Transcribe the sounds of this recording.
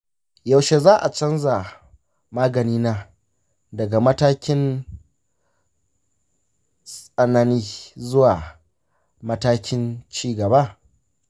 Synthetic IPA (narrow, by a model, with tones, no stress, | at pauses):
ja˨wʃe˨zaː˦ʔa˨t͡ʃɐ˦nza˨ | maː˦ɡɐ˨niː˦naː˦ | dɐ˨ɡa˨mɐ˦taː˦kʲɪ˦n | sʼɐ˨na˦niː˦zʊ˦waː˨ | mɐ˦taː˦kʲɪ˦nt͡ʃiː˦ɡɐ˨ba˦˨